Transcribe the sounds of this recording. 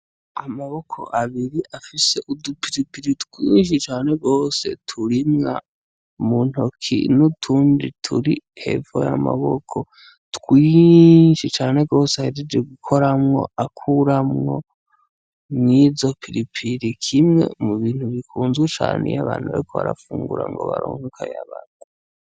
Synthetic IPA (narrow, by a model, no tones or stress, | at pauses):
amaβokʰo̰ʔaβiɾiʔafise̞ʔudupiɾipiɾitwiːnʃ̬it͡ʃaːne̞ɡo̞ːse̞̰tʰuɾimŋa̰ | muːn̥okʰḭnutʰuːndḭtʰṵɾihe̞̰vo̰ja̰ma̰βo̰kʰo | twiːʃit͡ʃaːne̞ɡo̞ːsehaɾid͡ʒeɡukʰoɾamŋo̞̰akʰuɾamŋo̰ | mizo̞pʰiɾipʰiɾikʰimŋe̞̰muβiːn̥huβikʰuːnzɡwet͡ʃa̰ːnḛjaβaːn̥huβa̰ɾikʰoβaɾafuːŋɡuɾa̰ŋɡo̞βaɾo̰ːŋokʰajaβana